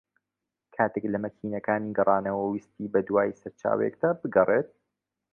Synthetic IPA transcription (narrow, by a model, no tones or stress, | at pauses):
kʰaːt̪eːklɐmɐkʰiːnɐkaːniɡɨrˤɑːnɐwɐwist̪iːbɐd̪waːjsɐɾt͡ʃʰa̰ːwḛɛ̰kd̪aːbɨɡɐrˤet̪̚